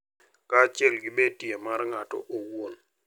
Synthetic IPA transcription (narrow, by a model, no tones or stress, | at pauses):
kat͡ʃɛlɡɪbetiemarŋatɔ̰ʔowon